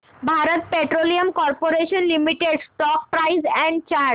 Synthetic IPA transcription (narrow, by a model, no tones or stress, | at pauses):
bʱaɾət̪̚peʈɾoliəmkɔɾpoɾeʃənlimiʈeɖsʈɔk̚pɾajzɛ̃ɳɖt͡ɕaɾ